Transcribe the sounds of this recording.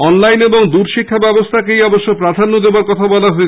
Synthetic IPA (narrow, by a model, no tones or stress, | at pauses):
ɔnlajneboŋd̪uɾʃikʰːabɛbost̪ʰakejɔboʃːopɾad̪ʱanːod̪ebaɾkɔt̪ʰabɔlaɦoe